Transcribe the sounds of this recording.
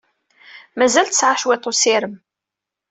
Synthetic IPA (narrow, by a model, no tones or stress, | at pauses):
mæzælt̪ə̥sʕaʃwet̪ˤːosɪɾəm